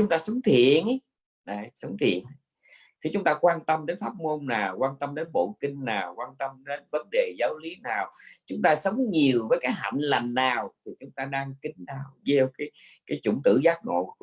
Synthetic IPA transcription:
t͡ɕʊ˨˦ŋ͡mt̪aː˧sə˨˦wŋ͡mt̪ʰḭ˧˨ənʔj | ɗa˨˩jsə˨˦wŋ͡mt̪ʰḭ˧˨ən˨˦ | xi˧˩t͡ɕʊ˨˦ŋ͡mt̪aː˧kwaː˧nt̪ə˧mɗe˨˦nfaː˦˥t̚mo˧nnaː˨˩wkwaː˧nt̪ə˧mɗe˨˦nɓo̰˧˨kï˧ŋ̟naː˨˩wkwaː˧nt̪ə˧mɗe˨˦nvə˨˦nɗe˨˩zaː˨˦wli˨˦naː˨˩wt͡ɕʊ˨˦ŋ͡mt̪aː˧sə˨˦wŋ͡mɲi˨˩əwvəː˨˦jkaː˨˦jɦa̰˧˨˩nla˨˩ŋ̟ːaː˨˩wt̪ʰi˨˩t͡ɕʊ˨˦ŋ͡mt̪aː˧ɗaː˧ŋkï˧˦ŋɗaː˨˩wze˧wkaː˨˦j | kaː˨˦jt͡ɕʊ˧˩ŋ͡mt̪ɨ̰˧˩˥zaː˦˥k̚ŋo̰˧˨

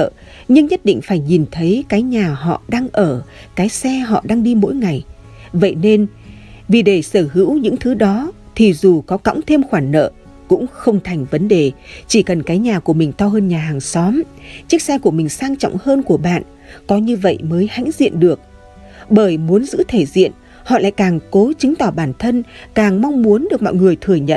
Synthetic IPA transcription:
ɲɨ˧ŋɲə˦˥t̚ɗḭ˧˨ŋ̟faː˧˩jɲi˨˩nt̪ʰə˨˦jkaː˨˦jɲaː˨˩ɦɔ̰˧˨ɗaː˧ŋʔəː˧˩ | kaː˨˦jsɛ˧ɦɔ̰˧˨ɗaː˧ŋɗi˧mo̰˧˥jŋa˨˩j | və̰˧˨jne˧n | vi˨˩ɗe˧˩səː˧˩hɨ̰˧˥wɲɨ̰˧˥ŋt̪ʰɨ˨˦ɗɔ˨˦t̪ʰi˨˩zu˨˩kɔ˨˦ka̰˧˥wŋ͡mt̪ʰe˧mxwaː˧˩nnə̰ː˧˨ | kʊ̰˧˥ŋ͡mxə˧wŋ͡mt̪ʰa˨˩jŋ̟və˨˦nɗe˨˩t͡ɕi˧˩kə˨˩nkaː˨˦jɲaː˨˩ku˧˩əmï˨˩ŋ̟t̪ɔ˧ɦəː˧nɲaː˨˩haː˨˩ŋsɔ˨˦mt͡ɕi˦˥ək̚saː˧jku˧˩əmï˨˩ŋ̟saː˧ŋt͡ɕɔ̰˧˨wŋ͡mhəː˧nku˧˩əɓa̰ː˧˨n | kɔ˨˦ɲɨ˧və̰˧˨jməː˨˦jha̰˧˥ŋ̟zḭ˧˨ənɗɨ˨˩ək̚ | ɓəː˧˩jmu˨˦ənzɨ̰˧˥t̪ʰe˧˩zḭ˧˨ən | hɔ̰˧˨la̰ː˧˨jkaː˨˩ŋko˨˦t͡ɕï˨˦ŋ̟t̪ɔ˧˩ɓaː˧˩nt̪ʰə˧nkaː˨˩ŋma˧wŋ͡mmu˨˦ənɗɨ˨˩ək̚mɔ̰˧˨jŋɨ˨˩əjt̪ʰɨ˨˩əɲə̰˧˨nʔ

